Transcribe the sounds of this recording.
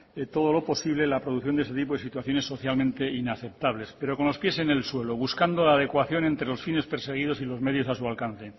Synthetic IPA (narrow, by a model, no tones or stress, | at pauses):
t̪o̞ð̞o̞lo̞po̞siβle̞lapɾoðuθjo̞nd̪eset̪ip̬oðesit̪waθjo̞ne̞sːo̞θjalmẽnt̪e̞inaθe̞p̚t̪aβle̞spe̞ɾo̞ko̞nlo̞spje̞se̞ne̞lswe̞loβuskand̪olaːð̞e̞kwaθjo̞ne̞nt̪ɾe̞lo̞sfine̞speɾse̞ɣ̞ið̞o̞silo̞zme̞ð̞jo̞sasualkan̟θe̞